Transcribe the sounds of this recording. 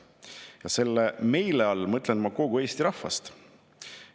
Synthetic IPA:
jɑse̞lːeme̞jle̞ɑlːmɤt̪ːˑlenmɑko̞ɡue̞ːst̪iɾɑhvɑ̰st̪

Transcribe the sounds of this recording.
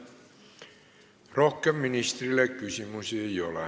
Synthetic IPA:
rohkːemːinist̪rilːekkysymysejolɑ

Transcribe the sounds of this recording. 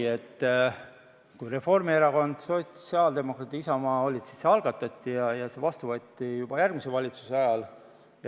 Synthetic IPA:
et̪ː | kujre̞fo̞rmieɾɑɡo̞nd̪̥sojt̪ːseɑld̪̥e̞mo̞krɑt̪iisɑmɑːo̞lʲit̪si̥sːeɑlɡ̥ɑt̪ːˑɑt̪ːijɑjɑse̞vɑst̪uvɤt̪ʲːijub̥ɑjærɡ̥mise̞vɑlʲit̪suseɑjɑl | j

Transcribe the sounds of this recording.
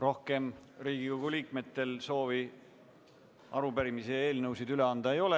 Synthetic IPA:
ro̞hke̞mɾiːɡ̥ikoɡ̥uliːkme̞t̪ːˑe̞lso̞ːvi | ɑɾubæɾimisee̞ːlnɤwsid̪yle̞ɑnd̪̥ɑe̞jo̞le

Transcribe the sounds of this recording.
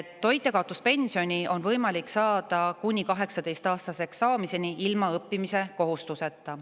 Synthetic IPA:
t̪ːo̞jt̪ːˑe̞kɑwt̪ˑuspe̞nʲsio̞nʲio̞nvɤjmɑliksɑːd̪̥ɑkunʲikɑɦe̞ksɑd̪e̞jst̪ɑːst̪ɑse̞ksɑːmise̞niilmɑɤpːimise̞ko̞ɦust̪use̞t̪ːˑɑ

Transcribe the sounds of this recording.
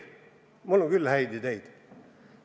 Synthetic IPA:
mulːoŋɡ̥ylːhæid̪id̪eid̪

